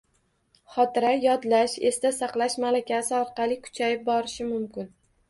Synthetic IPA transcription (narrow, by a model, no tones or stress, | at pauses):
χɒt̪ɪɾajɒd̪laʃe̞st̪asɑqlˠaʃmalakʲʰasɪɒɾqɑlˠɪkʰʊ̥t͡ʃʰajɪp̚bɒɾɪʃɪmʊmkʲɪn